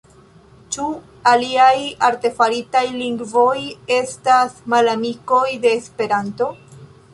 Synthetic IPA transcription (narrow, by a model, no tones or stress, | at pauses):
t͡ʃu | aliajaɾte̞faɾitajliŋɡvo̞je̞stasmalamiko̞jde̞ːspe̞ɾanto̞